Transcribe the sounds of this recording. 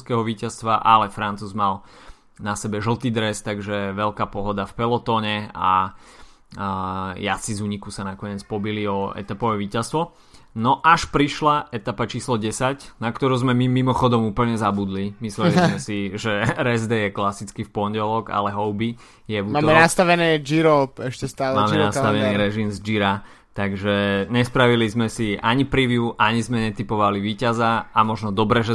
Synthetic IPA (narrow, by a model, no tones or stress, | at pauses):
skɛɦɔʋiːcast̪ʋaʔalɛfɾant͡suːzmal | nasɛbɛʒl̩ˠt̪iːd̪ɾɛst̪aɡʒɛʋɛʎkaːpɔɦɔd̪afpɛlɔt̪ɔːɲɛa̰ | jat͡sizuːɲikusanakɔɲɪɛt͡spɔbiliɔɛ̰t̪apɔʋɛʋiːcast̪ʋɔ | nɔʔaʃpɾiʃlaʔɛt̪apat͡ʃiːslɔɟɛsacnakt̪ɔɾuːzmɛmimimɔxɔd̪ɔmuːpl̩ɲɛzabud̪limislɛlizmɛsiʒɛɾɛzd̪ɛjɛklasit͡skifpɔɲɟɛlɔɡa̰lɛɦɔʊbi | jɛvumaːɛnast̪aʋɛnɛːd͡ʒiɾɔpɛʃcɛst̪aːlmaːmɛnast̪aʋɛniːɾɛʒimzd͡ʒiɾa | t̪aɡʒɛɲɛspɾaʋilizmɛsiʔaɲipɾiʋɪuʔaɲizmɛɲɛt̪ipɔʋaliʋiːcazaamɔʒnɔd̪ɔbɾɛʒɛ